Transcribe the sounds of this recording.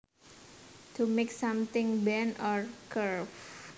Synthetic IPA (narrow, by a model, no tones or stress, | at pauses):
t̪ʰumeksãmt̪ɪ̃ŋbɛnɔɹkʰəɹf